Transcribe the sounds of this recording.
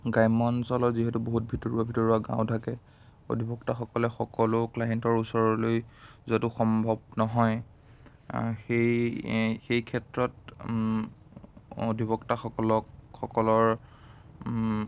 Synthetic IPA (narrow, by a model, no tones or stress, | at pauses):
ɡajmɔnsɔlɔziɦɛtuboɦut̚bʱitɔɹuabʱitɔɹuaɡã̰ʊ̃tʰakɛ | o̰dʱibɔktaxɔkɔlɛxɔkɔlʊklajɛntɔɹusɔɹɔlojzotuxɔmbʱɔb̚nɔɦɔj | xej | xejkʰɛtɹɔt | o̰dʱibɔktaxɔkɔlɔkxɔkɔlɔɹ